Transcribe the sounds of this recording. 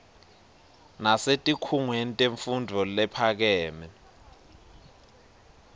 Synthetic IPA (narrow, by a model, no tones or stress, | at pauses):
nasetʼikʰuŋwenitʼeɱfundʱɔlɛpʰak̬ɛːmɛ